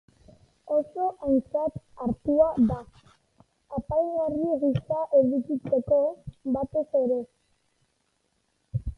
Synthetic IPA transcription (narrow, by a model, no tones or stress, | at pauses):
oso̞ʔajnt͡sat̪aɾt̪uad̪a | apajnariɣisaʔeβikit͡se̞kobat̪e̞se̞ɾe̞